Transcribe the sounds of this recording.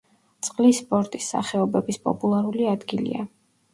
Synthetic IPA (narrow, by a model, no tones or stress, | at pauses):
t̪sʼqʼlisːpʼɔɾt̪ʼisːa̰χɛɔbɛbispʼɔ̰pʼulˠaɾuliad̪ɡilḭa